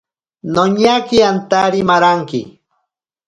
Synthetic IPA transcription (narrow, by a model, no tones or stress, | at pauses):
noɲakiant̪aɾimaɾaŋkɪ̰